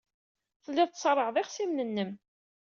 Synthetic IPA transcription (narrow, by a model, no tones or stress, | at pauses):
θəlːɪðˤt̪sˤɾˤːəʁðˤɪχsimnənːəm